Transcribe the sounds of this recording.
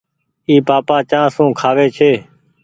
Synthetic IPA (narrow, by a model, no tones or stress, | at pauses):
iːpaːpaːt͡ʃãːsũːkʰaːʋeːt͡ʃʰeː